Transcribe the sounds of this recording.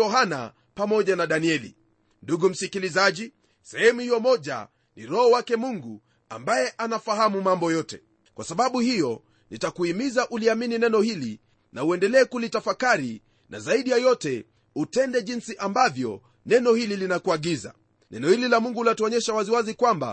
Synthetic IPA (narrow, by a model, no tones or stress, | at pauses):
ɔɦana̰ | pamɔʄanaɗaniɛlḭ | nduɡum̩sikilizaʄi | sɛhɛmuhijɔmɔʄa̰ | niɾɔhɔwakɛmuŋɡu | a̰mbajɛʔanafaɦamumambɔjɔtɛ | kwasaɓaɓuhijɔ | nitakuimizaʔuliamininɛnɔhili | nauɛndɛlɛːkulitafakaɾi | nʔa̰zaiɗijajɔtɛ | utɛndɛʄinsiʔambavjɔ̰ | nɛnɔhililinakuaɠiza̰ | nɛnɔhililamuŋɡulatuɔɲɛʃawaziwazikwamba̰